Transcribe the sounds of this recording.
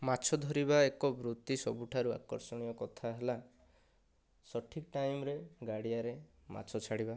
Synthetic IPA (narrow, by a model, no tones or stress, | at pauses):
mat͡ʃʰɔd̪ʱɔɾiβaekɔbɾut̪isɔbuʈʰaɾua̰kɔ̰ɾsɔɽ̃ijɔkɔt̪ʰaɦela | sɔʈʰikʈajmɾeɡaɽiaɾema̰t͡ʃʰɔt͡ʃʰaɽiba